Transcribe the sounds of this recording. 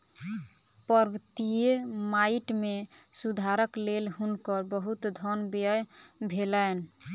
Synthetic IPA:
pəɾɡət̪ijemaiʈme | sud̪ʱaɾəklelɦunkəɾbəɦut̪d̪ʱɔnbəjbʱelən

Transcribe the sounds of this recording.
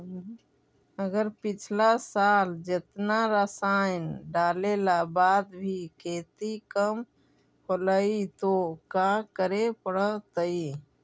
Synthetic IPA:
əɡəɾpɪt͡ʃʰlasaːld͡ʒet̪naɾəsaɪnɖaːlelabaːd̪bʱikeːt̪ikəm | kʰoləit̪okakəɾepəɽət̪əi

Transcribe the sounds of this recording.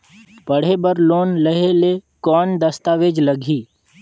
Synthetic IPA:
pɐɽ̤ebəɾloːnləɦelekɔːnd̪ɐst̪aːʋeːd͡ʒlɐɡʱiː

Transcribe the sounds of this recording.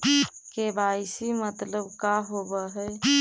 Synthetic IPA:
kebajsimət̪ləbkaɦobəɦɛ

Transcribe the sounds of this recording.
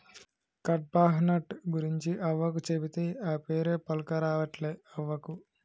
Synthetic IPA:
kɐʈ̚baːɦɐnɐʈɡuɾiɲt͡ʃiʔɐʋːɐk̬ut͡ʃebit̪eːaːpe̞ːɾeːpɐlukɐɾaːʋɐʈleːɐʋːɐku

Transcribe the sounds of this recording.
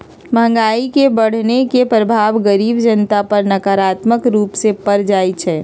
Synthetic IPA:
mʱə̃ŋɡaːikebɐɽ̤nekepɾəbʱaːʋɡəɾiːbd͡ʒənt̪apɐɾnɐkaɾaːt̪məkɾuːpsepəɾd͡ʒaːit͡ʃʰɛː

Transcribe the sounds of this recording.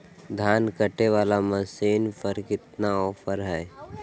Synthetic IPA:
d̪ʱjaːnkəʈeʋaːlaməsiːnpəɾkɪt̪naɔːpʰəɾɦɛː

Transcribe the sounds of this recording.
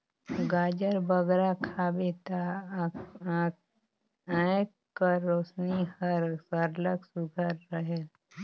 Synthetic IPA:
ɡaːd͡ʒəɾbəɡɾakʰaːbet̪a | ə̃kː | əɾːoːsnihəəɾləɡsʊɡʱəɾːəɦel

